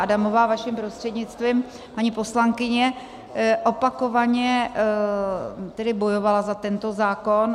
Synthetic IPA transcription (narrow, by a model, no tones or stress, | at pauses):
adamo̞vaːvaʃɪmpɾo̞st̪r̥ɛdɲɪt͡st̪viːm | paɲipo̞slaŋkɪɲɛ | ʔo̞pako̞vaɲɛ | t̪ɛdɪbo̞jo̞valazat̪ɛnt̪o̞zaːko̞n